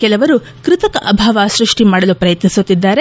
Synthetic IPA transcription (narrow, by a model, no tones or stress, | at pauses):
kɛlɐʋɐɾu | kɾɪt̪ɐkɐʔɐbʱaːʋaːsɾuʂʈimaːɽɐlupɾɐjɐt̪nisut̪ːid̪ːaːɾe